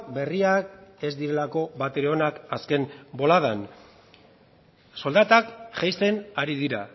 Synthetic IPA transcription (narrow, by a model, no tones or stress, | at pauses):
be̞riake̞zd̪iɾe̞lako̞βat̪e̞ɾeo̞nakaske̞mbo̞lað̞an | so̞ld̪at̪akʝajse̞naɾiðiɾa